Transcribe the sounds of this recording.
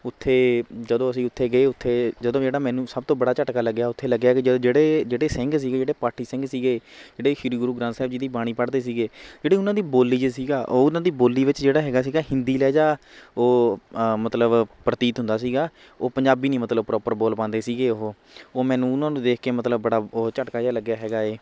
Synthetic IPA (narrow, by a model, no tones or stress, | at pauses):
ʊt̪ʰːeːd͡ʒəd̪õːəsĩːʊt̪ʰːeːɡəeːʊt̪ʰːeːd͡ʒəd̪õːd͡ʒeːɽaːmɛ̃ːnũːsəb̚t̪õːbəɽaːt͡ʃəʈkaːləɡːjaːʊt̪ʰːeːləɡjaːkɪd͡ʒəd̪̃ːd͡ʒeːɽeːd͡ʒeːɽeːsɪŋɡs̬iːɡeːd͡ʒeːɽeːpaːʈiːsɪ̃ŋɡsiːɡeːd͡ʒeːɽeːʃɪɾiːɡʊɾuːɡɾãːnsɛːbd͡ʒiːd̪iːbaːɽ̃iːpəɽd̪eːs̬iːɡeːd͡ʒeːɽiːʊnãːd̪iːboːlːiːd͡ʒeːsiːɡaːʔoːʊnãːd̪iːboːlːiːʋɪt͡ʃd͡ʒeːɽaːɦɛːɡaːsiːɡaːɦɪnd̪iːlɛːd͡ʒaːoːmət̪ləbpɾət̪iːt̪ɦʊnd̪aːsiːɡaː | oːpəɲd͡ʒaːbiːnĩːmət̪ləbpɾɔːpəɾboːlpãːnd̪eːsiːɡeːoɦoː | oːmɛ̃ːnũːʊnãːnũːd̪eːkʰkeːmət̪ləbːəɽaːot͡ʃəʈkaːaːləɡːjaːɦɛːɡaːeː